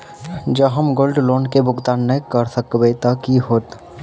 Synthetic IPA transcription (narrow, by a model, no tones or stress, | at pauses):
d͡ʒəɦəmɡoːlɖloːnkebʱʊɡt̪aːnːəɦjkəɾsəkbet̪əkiɦoːt̪